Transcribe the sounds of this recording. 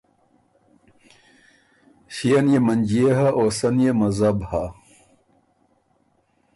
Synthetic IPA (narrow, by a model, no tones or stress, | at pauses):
ɕijɐnjemɐnd͡ʑijeɦɐʔoːsɐnjemɐzɐbha